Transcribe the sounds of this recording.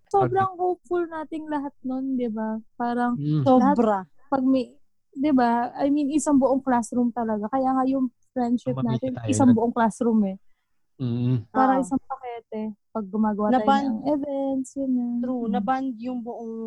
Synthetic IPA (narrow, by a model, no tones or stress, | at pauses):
soːbɾɐŋhowpfʊlnaːt̪ɪŋlɐɦat̪̚nond̪ɪbapaːɾɐŋsolɐhabɾɐ | pɐɡ̚mɐj | d̪ɪbaʔɐjminɪsaŋbʊʔo̞ŋklasɾumt̪ɐlɐɡakɐjaːŋɐjʊŋfɹɛnd̪ʃɪp̚naːt̪ɪnʔɪsaŋbʊʔoŋklasɾumɛ | paːɾɐʔɪsaŋpɐkɛːt̪ɛpɐɡ̚ːʊmaːɡɐwaːtnɐaaʔɛvɛnt̪sjʊnɛunɐband̪̚jʊŋbʊʔoŋ